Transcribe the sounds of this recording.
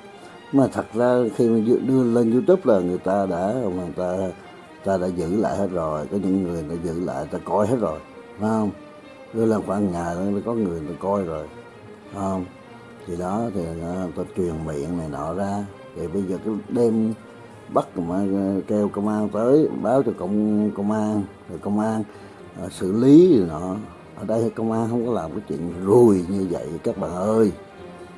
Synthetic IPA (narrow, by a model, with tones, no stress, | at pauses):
ɲ˧˦maː˨˩t̪ʰə˨˩t̚zaː˧xi˧ma˨˩zɗɨ˧əle˧nzu˧t̪u˦˥p̚laː˨˩ŋɨ˨˩əjt̪aː˧ɗa̰ː˧˥maː˨˩t̪aː˧ | t̪aː˧ɗa̰ː˧˥zɨ̰˧˥la̰ː˧˨jhe˦˥t̚zo˨˩jkɔ˨˦ɲɨ̰˧˥ŋːɨ˨˩əjna̰ː˧˥zɨ̰˧˥la̰ː˧˨jt̪aː˧kɔ˧jhe˦˥t̚zo˨˩j | na˨˦hə˧wŋ͡m | ɗɨ˧ələ˧˩nxwaː˧nŋaː˨˩ja˨lkɔ˨˦ŋɨ˨˩əjt̪a˧kɔ˧jzo˨˩j | hə˧wŋ͡m | t̪ʰi˨˩ɗɔ˨˦t̪ʰi˨˩˨t̪o˧t͡ɕwi˨˩ənmḭ˧˨ənna˨˩jnɔ̰˧˨zaː˧ | t̪ʰi˨˩ɓə˧jzəː˨˩kaː˨˦ɗe˧m | ɓa˦˥t̚maː˧˩ke˧wkə˧wŋ͡mʔaː˧ŋt̪əː˨˦jɓaː˨˦wt͡ɕɔ˧kə̰˧wŋ͡mkə˧wŋ͡mʔaː˧n | zo˨˩jkə˧wŋ͡mʔaː˧n | ʔsɨ̰˧˨li˨˦˨nɔ˧˩˨ | ʔəː˧˩ɗə˧jkə˧wŋ͡mʔaː˧nɦə˧wŋ͡mkɔ˨˦laː˨˩mkaː˨˦jt͡ɕwḭ˧˨ən˨˩zu˨˩əjɲɨ˧və̰˧˨ja˧˩kaː˦˥k̚ɓa̰ː˧˨ŋʔəː˧j